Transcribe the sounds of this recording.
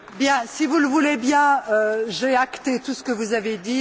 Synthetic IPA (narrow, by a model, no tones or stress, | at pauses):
bjɛ̃sivuləvulebjɛ̃øʒeakt̪et̪usə̥kəvuzaved̪i